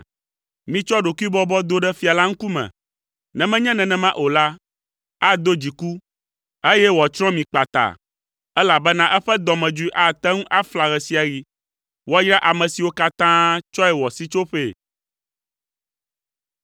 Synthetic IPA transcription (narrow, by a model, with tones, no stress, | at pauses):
mĩ˨t͡ʃɔ˦ɖo˨ku˦i˦bɔ˦bɔ˦d̪o˦ɖɛ˦fi˨a˨la˦ŋ̩˦ku˦mɛ̰̃˨ | nɛ̃˨mɛ̃˦ɲɛ̃˦nɛ̃˨nɛ̃˨mã˦ʔo˨la˦ | a˦d̪o˦d͡ʑi˨ku˦ | e˦jɛ˦wɔ˨t͡ʃɾɔ̃˦mĩ˨k͡pa˨t̪a̰˨ | ɛ˦la˨bɛ˦nã˦ʔɛ˦ɸɛ˦d̪ɔ˨mɛ̃˨d͡ʒu˦i˦ʔa˦t̪ɛ˦ŋũ˦ʔa˦fla˨ɣɛ˨si˦a˨ɣi˦ | wo˦a˦jɾa˦ʔa˨mɛ̃˨si˨wo˦ka˦t̪ã˦t͡ʃɔ˦ɛ˨wɔ˨si˦t͡ʃo˦ɸe˦˨